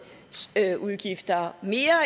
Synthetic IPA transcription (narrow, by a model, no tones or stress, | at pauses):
ʔuðˠɡ̥ifd̥ɐme̝ːɐ